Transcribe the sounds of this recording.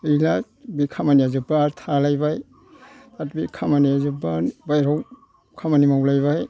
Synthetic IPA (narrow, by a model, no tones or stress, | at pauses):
ila | bikʰamaniazupːaɾtʰalajbaj | tatbikʰamaniazubabajɾaw | kʰamanimawlajbaj